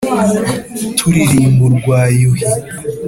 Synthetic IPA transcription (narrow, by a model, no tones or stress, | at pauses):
tʰuɾiɾiːmbuɾɡwaːjuhi